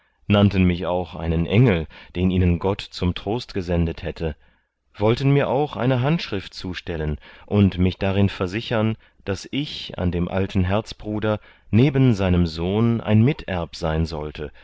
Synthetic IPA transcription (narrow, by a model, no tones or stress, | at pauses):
nantən̩mɪça̰ʊxʔa̰ɪnənʔɛŋl̩d̥eːniːnənɡɔtt͡sʊmtʁ̥oːstɡ̥əzɛndəthɛtʰə | vɔltən̩miːɐʔaʊxʔa̰ɪnəɦantʃʁ̥ɪft̚t͡suːʃtɛlənʔʊntmɪçd̥aʁ̞ɪnfɛɐzɪçɐn | d̥asɪça̰ndeːmʔa̰ltʰn̩ɦɛɐt͡sb̥ʁuːdɐ | neːbən̩zaɪnəmzoːnʔa̰ɪnmɪtʰɛɐpz̥aɪnzɔ̰ltʰə